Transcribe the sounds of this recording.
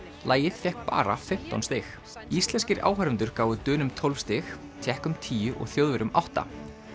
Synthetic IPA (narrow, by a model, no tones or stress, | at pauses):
laːjɪðfjɛhk̚pa̰ːɾa̰fɪm̥t̪a̰wnst̪ɪx | ist̪lɛnscɪɾa̰ːwɦœɾʏnt̪ʏɾ̥kaːwvʏt̪œːnʏmt̪ʰɔlvfst̪ɪx | t̪ʰɛhkʏmt̪ʰiːjʏʔɔ̰ɣθjowðvɪɾʏmawht̪a̰